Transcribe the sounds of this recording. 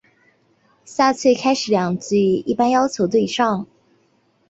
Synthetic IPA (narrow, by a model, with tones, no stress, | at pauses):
ɕja˥˧t͡sʰwe˥˩ɪkʰa˥ɪʂɻ̩˨˥ljɑ˨˩ŋt͡s̩˥˩y˨˧˥i˥˩pa˥njɑ˥ʊt͡ɕʰjo˧˥ʊt̪we˥˧ɪʂɑ˥˩ŋ